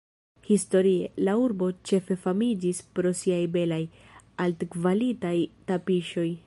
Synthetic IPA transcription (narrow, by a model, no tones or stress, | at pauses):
histo̞ɾie̞lauɾbo̞t͡ʃe̞fe̞famid͡ʒispɾo̞siajbe̞laj | altkvalitajtapiʃo̞j